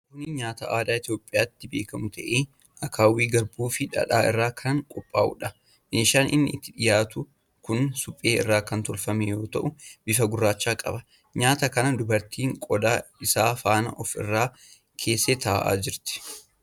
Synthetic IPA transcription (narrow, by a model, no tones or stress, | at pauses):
kʊnɪɲaːt̪ɐʔaːd̪aːɪt̪joːpʼːɪjaːt̪ːɪbe̞̰ːkɐmʊt̪ʰɐʔeː | ʔɐkʰaːwiːɡɐɾbuːfɪᶑɐ̰ᶑaːɪ̰rːaːkʰɐŋkʼɔpʼːaːʔʊ̰ᶑɐ | meːʃaːnʔɪnːɪ̰ʔɪt̪ːɪᶑɪjaːt̪ʊ | kʊnsʊpʼːe̞ːɪ̰rːaːkɐnt̪ɔlfɐmɛjo̞ːt̪ɐʔʊb̥ɪfɐɡʊrːaːt͡ʃːaːkʼɐ̰bɐ | ɲaːt̪ɐkɐnɐd̪ʊbɐɾt̪iːŋkʼɔd̪aːɪsaːfaːnɐ̰ʔɔfɪ̰rːaː | kʰe̞ːsːeːt̪ʰɐaʔa̰ːd͡ʒɪɾt̪ɪ̥